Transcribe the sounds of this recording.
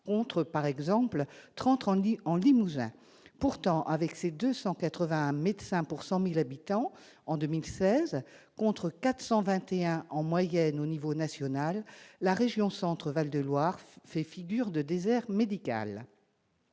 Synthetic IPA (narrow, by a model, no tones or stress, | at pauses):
kɔ̃t̪χəpaʁɛɡzɑ̃plt̪χɑ̃t̪ɑ̃ɑ̃limuzɛ̰̃ | puʁt̪ɑ̃ʔavɛksed̪øsɑ̃kat̪χəvɛ̃med̪sɛ̃puʁsɑ̃milabit̪ɑ̃ | ɑ̃d̪ømilsɛzkɔ̃t̪χəkat̪χsɑ̃vɛ̃t̪eɛ̃ʔɑ̃mwajɛnonivonasjɔnalːaʁeʒjɔ̃sɑ̃t̪χəvald̪əlwaʁfɛfiɡʲyʁd̪əd̪ezɛʁmed̪ika̰l